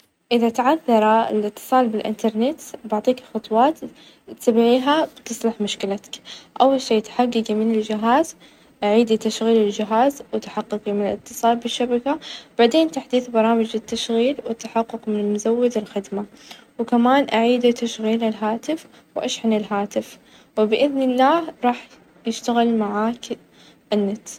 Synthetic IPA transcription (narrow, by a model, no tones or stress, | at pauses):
ʔɪðat̪ʕaθːɑɾˤɑɪ̰lʔɪt̪ːɨ̥sˤɑːlbɪlʔɪ̰nt̪ɑɾˤnɪt̪baʕt̪ˤiːkxɑt̪ˤwɑːt̪ | t̪sabɪʕiːɦabt̪ɨsˤlɪħmʊʃkɪlat̪ḁkʔawːalʃeːt̪ħaɡːɪɡimɪnɪld͡ʒɪɦaːz | ʔaʕiːd̪it̪aʃɣiːlɪld͡ʒɪɦaːzwɪt̪ħaqːɪɡimɪnɪlɪt̪ːɨ̥sˤɑːlbɪʃːabakab̥aʕd̪eːnt̪aħd̪iːθbɑɾˤɑːmɪd͡ʒɪt̪ːaʃɣiːlwɪt̪ːaħaqːʊqmɪnɪlmʊzawːɪd̪ɪlxɪd̪ma | wkamaːnʔaʕiːd̪it̪aʃɣiːlɪlɦaːt̪ɪf | wʔaʃħanɪlɦaːt̪ɪf | wɪbɪʔɪðnɪlːaːhɾˤɑːħ | jɪʃt̪aɣɪlmaʕaːk | ʔɪnːat̪s